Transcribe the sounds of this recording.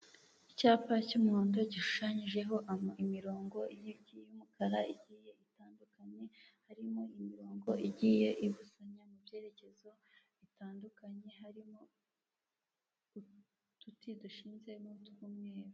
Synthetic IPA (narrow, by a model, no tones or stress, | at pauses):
icaːpacumuuːndoɟiʃu̥ʃaɲiʒe̞ɦo̞ʔamimiɾo̞ːŋɡo̞ijibɟijumukaɾaiɟiːje̞itaːndukaɲe̞ | haɾimo̞imiɾo̞ːŋɡo̞iɟije̞ʔiβusaɲamuvje̞ːɾe̞ce̞zo̞ | itaːndukaɲe̞ɦaɾimo̞ | u | tutiduʃiːnze̞notkumŋeːɾo